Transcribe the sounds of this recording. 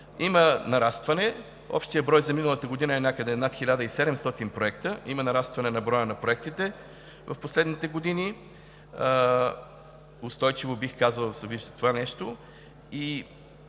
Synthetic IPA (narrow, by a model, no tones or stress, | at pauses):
imənɐɾast̪vɐnɛ | ɔ̰pʃt̪ijəbɾɔjzɐminəlˠət̪əɡod̪inəɛnʲakəd̪ɛnat̪xilʲad̪əisɛd̪ɛmst̪ɔt̪inpɾoɛkt̪əimənɐɾast̪vɐnɛnɐbɾɔjənɐpɾoɛk̚t̪it̪ɛ | vɐfposlɛd̪nit̪ɛɡod̪ini | ʊst̪ɔjt͡ʃivobixkazəlˠsɛviʒd̪ət̪ovanɛʃt̪o | i